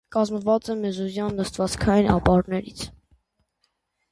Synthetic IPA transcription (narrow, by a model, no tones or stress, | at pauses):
kɑzməvɑt͡sɛmɛzuzjɑnːəst̪vɑt͡skʰɑjinʔɑ̰pɑɾnɛɾit͡sʰ